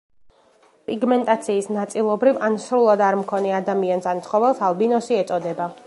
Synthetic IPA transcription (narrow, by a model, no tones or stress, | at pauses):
pʼiɡmɛnt̪ʼat̪sʰiːsnat̪sʼilˠɔbɾivansɾulˠad̪aɾmkʰɔnɛad̪amiansant̪sʰχɔvɛlˠsalˠbinɔsiɛt̪sʼɔd̪ɛba